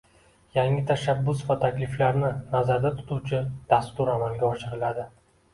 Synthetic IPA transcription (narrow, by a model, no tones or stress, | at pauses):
jaŋɪt̪ʰaʃabːʊsvat̪ʰakʲlɪflaɾnɪnazaɾd̪at̪ʰʊ̥t̪ut͡ʃʰɪd̪̥ast̪ʊɾamalɡʲaɒʃɪɾɪlad̪ɪ